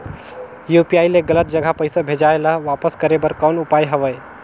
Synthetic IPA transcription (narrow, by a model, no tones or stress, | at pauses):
jupiaileɡələt̪̚d͡ʒəɡʱapəjsabʱed͡ʒajləɦʋapəskəɾebəɾkənupajɦəʋəj